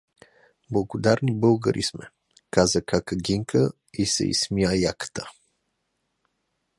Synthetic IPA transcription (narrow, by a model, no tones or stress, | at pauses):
blˠəɡod̪aɾnibɤlˠɡəɾʔḭsmɛ̰ | kazəkakəɡiŋkʰə | isɛ̰ḭsmiajakə̥t̪ə̥